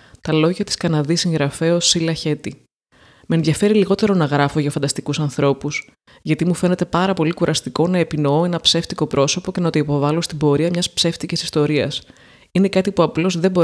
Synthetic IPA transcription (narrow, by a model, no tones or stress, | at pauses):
t̪ɐlo̞ʝɐt̪i̥skɐnɐðisĩŋɣɾɐfe̞osilɐçe̞t̪i | menðʝɐfe̞ɾiliɣo̞t̪e̞ɾo̞nɐɣɾɐfo̞ʝɐfɐnd̪ɐst̪ikusɐnθɾo̞pus | ʝɐt̪imufe̞ne̞t̪e̞pɐɾɐpo̞likuɾʔɐst̪iko̞nɐepino̞oe̞nɐpse̞ft̪iko̞pɾʔo̞so̞po̞ce̞nɐt̪o̞ipo̞vɐlo̞st̪ibo̞ɾiɐmɲɐspse̞ft̪icisist̪o̞ɾiɐ̰s | ine̞kɐt̪ipuɐplo̞zðe̞bo̞